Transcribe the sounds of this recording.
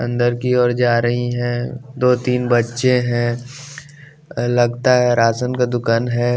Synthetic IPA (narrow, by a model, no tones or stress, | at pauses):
ɐ̰̃nd̪əɾkiɔːɾd͡ʒaːɾɐɦiɦɛ̃d̪oːt̪iːnbɐtːʃẽɦɛ̃ | lɐɡt̪aɦɛɾaːsənkad̪ʊkaːnɦɛː